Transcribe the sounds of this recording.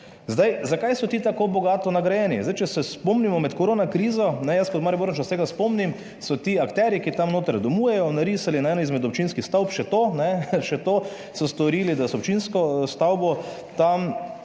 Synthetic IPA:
zd̪ajzakajsɔt̪it̪akoːbɔɡaːt̪ɔnaɡɾajɛːnizd̪ajt͡ʃɛsɛspɔmnimɔmɛt̪koɾoːnakɾiːzɔnɛjəskɔt̪maːɾjiboɾnt͡ʃɔst̪eːɡaspɔmnim | sɔt̪iɐkt̪ɛɾjikit̪amnoːt̪aɾd̪ɔmujɛjɔnaɾisalinaɛːnizmɛd̪ɔpt͡ʃinskixst̪awpʃɛt̪onɛʃɛt̪o | sɔst̪ɔɾiːlid̪asɔopt͡ʃinskɔst̪awbɔ | t̪am

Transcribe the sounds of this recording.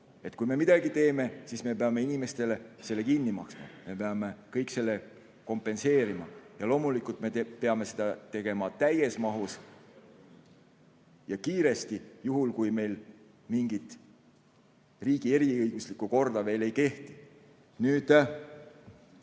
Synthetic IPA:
e̞t̪kujme̞mid̪̥ɑɡit̪e̞ːme̞sisme̞peɑme̞inime̞st̪e̞le̞se̞lːe̞kinːimɑ̰ksmɑ̰me̞pe̞ɑme̞kɤ̞jkse̞lːe̞ | ko̞mpːˑe̞nse̞ːɾimɑ̰jɑlo̞ːmulikult̪ˑme̞pe̞ɑme̞se̞d̪̥ɑt̪e̞ɡ̥e̞mɑt̪æje̞smɑɦus | jɑkiːɾe̞st̪ijuɦulkujme̞jl | miŋɡ̥it̪ˑ | riːɡ̥ie̞ɾiɯjɡ̥uslikːˑuko̞rd̪̥ɑve̞ːle̞jke̞ht̪i | nyːd̪̥

